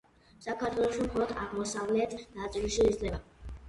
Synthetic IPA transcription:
sakʰaɾt̪ʰwɛlˠɔʃimχɔlˠɔd̪a̰ʁmɔsavlɛt̪ʰnat̪sʼiliʃɛizlɛba

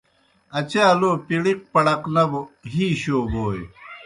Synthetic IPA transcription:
ɐt͡ɕaːloːpiɽiq̚pɐɽɐqnɐboɦiːɕoːboːj

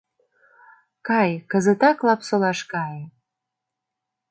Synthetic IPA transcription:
kɑjkə̆zə̆t̪ɑklɑpsolɑʃkɑj

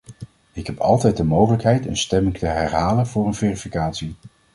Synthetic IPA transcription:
ɪkɦɛpʰɑlˠtɛjt̚dəmowχələkɦɛjtə̰nstɛmɪŋtəɦɛɹɦaːlənvʊːrənveːrifikaːtsi

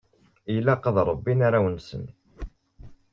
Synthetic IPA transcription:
ilæqəðɾˤəbːinaɾawənsə̰n

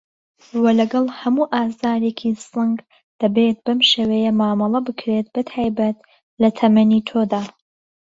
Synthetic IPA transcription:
wɐlɐɡɐlˠhɐmuːʔaːzaːɾeːkʰisɨŋɡ | d̪̥ɐbet̪̚bɐmʃeːwejɐmaːmɐlˠɐbɨkʰɾet̪̚b̥ɐt̪ʰaːjbɐt̪ | lɐt̪ʰɐmɐniːt̪ʰoːd̪aː

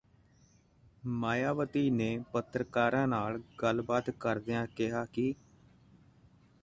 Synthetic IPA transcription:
maːjaːʋət̪iːneːpət̪ːɾkaːɾãːnaːlɡəlbaːt̪kəɾd̪ɪjãːkɪɦaːkiː

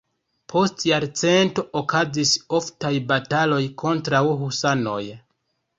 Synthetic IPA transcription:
pʰo̞stjaɾt͡se̞nto̞ʔokʰaziso̞ftajbatalo̞jkʰo̞ntɾawhusano̞̰j

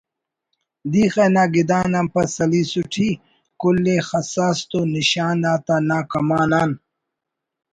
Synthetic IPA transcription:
d̪ixenaːɡid̪aːnampɐsɐlisuʈʰi | kulːexɐsast̪oniɕaːnːaːt̪anaːkɐmaːnaːn

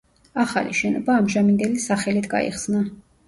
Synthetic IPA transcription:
aχa̰lḭʃɛnɔ̰baːmʒamind̪ɛlisaχɛlit̪ʰɡa̰ḭχsna

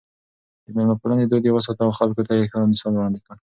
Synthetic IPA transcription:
d̪̥əmelmapalaned̪od̪ewas̬ɑt̪awxalkot̪ajekaamɪsɑlwɽɑnd̪ekəɽ

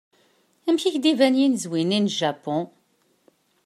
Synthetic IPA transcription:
æmçiçd̪ivænjinzwininʒapːɔ̃

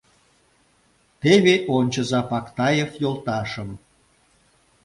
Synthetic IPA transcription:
t̪eβeʔonʲt͡ɕə̆zɑpɑkt̪ɑjefjolt̪ɑʃə̆m

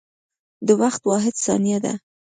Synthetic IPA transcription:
d̪əwaxt̪wɑɦɪd̪sɑ̰nijad̪a̰

